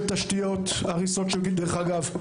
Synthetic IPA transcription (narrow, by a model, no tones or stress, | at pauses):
t̪ːaʃtijo̞t̪aʁiso̞tʃekid̪eχaɡav